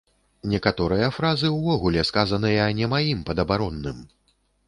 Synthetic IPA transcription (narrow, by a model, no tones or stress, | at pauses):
nʲɛkat̪ɔɾɨjɐfɾazɨwvɔɣulʲɛskazɐnɨjɐnʲɛmajimpɐd̪ɐbaɾɔnːɨm